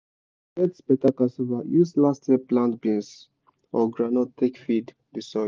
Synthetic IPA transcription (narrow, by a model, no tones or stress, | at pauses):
ɛtspɛtakasovajuslasteplãntbĩns | ɔɡɹanɔtʰekfid | disɔ